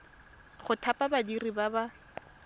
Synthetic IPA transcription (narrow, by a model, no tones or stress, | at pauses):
χʊtʰapʼabadiribaba